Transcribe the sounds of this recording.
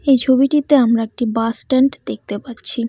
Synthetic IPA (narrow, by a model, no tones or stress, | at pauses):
ejt͡ɕʰobiʈit̪eamɾaek̚ʈibasʈeɳʈd̪ek̚t̪epatːɕʰi